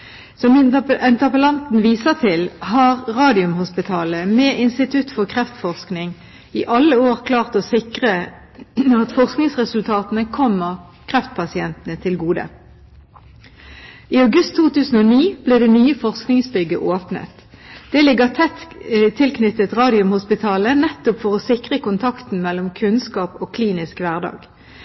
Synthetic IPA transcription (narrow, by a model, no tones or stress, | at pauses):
sɔmɪɛnt̪əʁpəlɑnt̪n̩ʋiːsəʁt̪ʰɪlhɑːʁʁɑːd̪ɪʉmhʊspɪt̪ʰɑːləmɛːʔɪnst̪ɪt̪ʰʉt̪fɔʁkʰʁɛft̪fɔʁsknɪŋ | iːʔɑlːəoːʁkʰlɑːʁt̪ɔsɪkʁə | ɑt̪fɔʁsknɪŋsʁɛsʉlt̪ʰɑːt̪ənəkʰɔmːəʁ | kʰʁɛft̪̚pʰɑsɪɛnt̪ənət̪ʰɪlɡuːd̪ə̰ | iːɑʉɡʉst̪ʰːuːt̪ʉːsn̩oːniːb̥liːd̪ɛːnyːəfɔʁsknɪŋsbʏɡəʔoːpnə̰t̪ | d̪̥ɛːlɪɡəʁt̪ʰɛt̪t̪ʰːɪlkʰnʏt̪ːət̪ʁɑːd̪ɪʉmhʊspɪt̪ʰɑːlənɛt̪ːʊpfɔʁɔsɪkʁəkʊnt̪ʰɑkt̪n̩mɛlːɔmkʰʉnskɑːpoːkʰliːnɪskʋæʁd̪ɑ̰ːɡ̥